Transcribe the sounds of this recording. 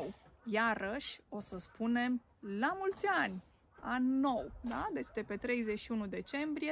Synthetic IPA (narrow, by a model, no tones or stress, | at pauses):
jaɾəʃʲo̞səspune̞m | lamult̪sʲanʲ | anʲːo̞wd̪ad̪e̞t͡ʃd̪e̞pe̞t̪ɾe̞jze̞t͡ʃʃiunud̪e̞t͡ʃe̞mbɾije̞